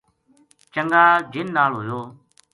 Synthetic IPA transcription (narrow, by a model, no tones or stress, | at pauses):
t͡ʃəŋɡaːd͡ʒɪnːaːlɦoːjoː